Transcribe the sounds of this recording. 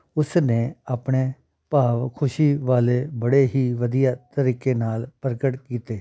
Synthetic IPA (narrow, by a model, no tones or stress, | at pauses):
ʊsneːaːpɽ̃eː | paːʋkʰʊʃiːʋaːleːbəɽeːɦiːʋəd̪ijaːt̪əɾiːkeːnaːlpəɾəkəʈkiːt̪eː